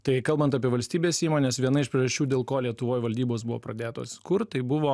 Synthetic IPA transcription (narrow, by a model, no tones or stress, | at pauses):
t̪ɐɪkɐlˠbɐnt̪ɐpʲiɛʋɐlʲsʲt̪ʲiːbʲeːsiːmoːnʲesʋʲiɛnɐɪʃpʲɾʲiːʒɐʃʲt͡ʃʲuːd̪ʲeːlˠkoːlʲiɛt̪ʊʋoːjʋɐlʲd̪ʲiːboːsbʊʋo̰ːpɾɐd̪ʲeːt̪o̰ːt̪sʲɪ̥kʊɾt̪̚tɐɪbʊʋoː